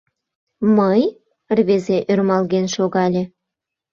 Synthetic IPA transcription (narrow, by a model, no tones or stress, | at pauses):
məj | rβezeʔørmɑlɣenʃoɣɑlʲĕ